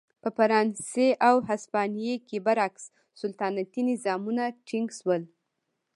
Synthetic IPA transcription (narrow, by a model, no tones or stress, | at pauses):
pəfaɾɑnseʔawɦaspɑnijekebaɾaks | sʊlt̪ɑnat̪inɪzɑmunaʈʰiŋɡʃwəl